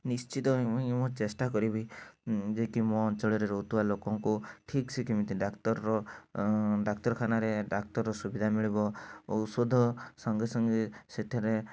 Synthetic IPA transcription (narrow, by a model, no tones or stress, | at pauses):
nist͡ʃit̪ɔĩmɔt͡ʃesʈakɔɾibid͡ʒekimɔt͡ʃɔɭeɾeɾoɦut̪uwalokɔŋkuʈʰiksikʰimit̪iɖakt̪ɔɾɔ | ɖakt̪ɔɾkʰanaɾeɖak̚t̪ɔɾɔːɔsubid̪ʱamiɭibɔɔsod̪ʱɔsɔŋɡesɔŋɡeset̪ʰiɾe